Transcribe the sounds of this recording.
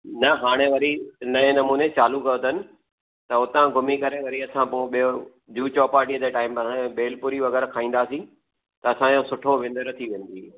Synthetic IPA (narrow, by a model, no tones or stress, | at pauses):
nɐɦaːɽ̃eʋɐɾinɐẽnɐmuːnet͡ɕaːlukɐʊd̪ʱənɪ̆ | t̪ɐʊt̪ãɡʱʊmikɐɾeʋɐɾiɐsãpoɓio | d͡ʑuːt͡ɕɔːpaːɾʈiːəd͡ʑeːʈaːɪm̃ɓeːlpʊɾiʋɐɣɛːɾkʰaːĩːn̆d̪aːsĩ | t̪ɐɐsãjõsʊʈʰoʋẽːnd̪əɾt̪ʰiʋẽːnd̪iː